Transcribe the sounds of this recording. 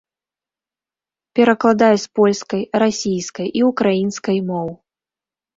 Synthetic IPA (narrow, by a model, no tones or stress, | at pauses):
pʲɛɾɐklˠad̪ajɛspɔlʲskɐjɾasʲijskɐjʔiukɾajinskɐjmɔw